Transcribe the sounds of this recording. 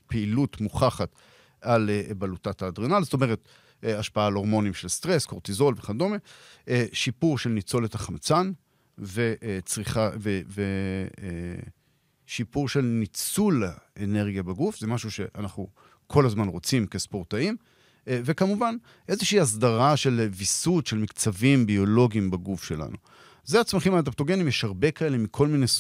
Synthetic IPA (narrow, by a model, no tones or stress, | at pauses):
peilutmuχaχat | alebalutataːdʁenalzetome̞ʁ̞e̞t | eaʃpaaːlo̞ʁmo̞nimʃelst̪ʁe̞sko̞ʁtizo̞lveχado̞meeʃipuʁʃelnit͡so̞lethaχamt͡san | veʔt͡sʁiχaveve | ʃipuʁʃe̞lnit͡sulaene̞ʁɡijabaɡufze̞maʃuʃe̞ʔanaχnu | kʰo̞lazmanʁo̞t͡simke̞spo̞ʁtaim | ve̞kamuvan | ʔe̞zeʃiːas̬daʁaʃe̞lvisud̪ʃe̞lmikt͡savimbio̞lo̞ɡiimbaɡufʃe̞la̰nu | zeat͡smaχimat̪̬ap̚t̪oɡe̞nimjeʃhaʁbe̞kae̞le̞mikʰo̞lmine